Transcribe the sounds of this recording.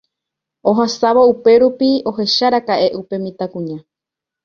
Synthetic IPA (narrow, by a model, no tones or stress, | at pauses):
o̞ɦasaʋoupe̞ɾupio̞ɦe̞ʃaɾakaʔe̞ʔupe̞mĩt̪akũɲã